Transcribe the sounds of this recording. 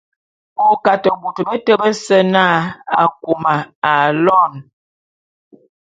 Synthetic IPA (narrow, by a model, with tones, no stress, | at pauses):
o˨ka˨tə˨bu˨tə˨bə˦tə˦bə˦sə˦na˦˨a˨ŋ˨ku˨ma˨a˨lɔ˦˨n